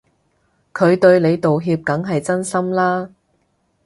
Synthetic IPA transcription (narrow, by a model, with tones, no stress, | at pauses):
kʰɵ˨˧ɥt̪ɵ˧ɥle˨˧jt̪o˨wɦiː˧p̚kɐ˨˥ŋɦɐ˨jt͡sɐ˥nsɐ˥mlaː˥